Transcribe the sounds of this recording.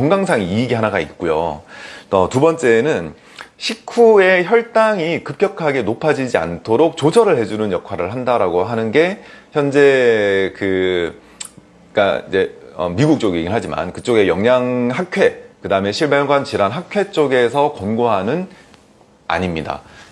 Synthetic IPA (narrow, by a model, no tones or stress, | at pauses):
kʌŋɡaŋsʰaŋiiːɡiɦanaɡait̚k͈ujo̰ | ʌtubʌnt͡ɕ͈e̞nɯn | ɕʰikʰue̞çjʌɭt͈aŋikɯp̚k͈jʌkʰaɡe̞nopʰad͡ʑid͡ʑia̰ntʰoɾok̚t͡ɕod͡ʑʰʌɾɯɭɦe̞d͡ʑunɯnjʌkʰwaɾɯɭɦandaɾaɡoɦanɯnɡe̞çjʌnd͡ʑe̞kɯ | k͈a̰ḭd͡ʑe̞ʌ̰miɡuk̚t͡ɕ͈oɡieɡiɭɦad͡ʑima̰nkɯt͡ɕ͈oɡe̞jʌŋɲaŋɦakkʰwe̞kɯdaɯme̞ɕʰiɭbenɡwant͡ɕiɾanɦak̚kʰwe̞t͡ɕ͈oɡe̞sʰʌkʌnɡoɦanɯn | a̰ɲimɲida̰